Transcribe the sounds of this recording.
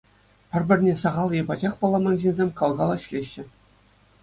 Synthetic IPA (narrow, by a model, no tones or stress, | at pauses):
pʲɘ̆rʲbʲɘ̆rʲnʲesɑʁɑlˠjebɑd͡ʑɑχpɑlˠːɑmɑnʑenʲzʲemʲkɑlˠɡɑlˠɤ̆ɕlʲeɕːɘ̆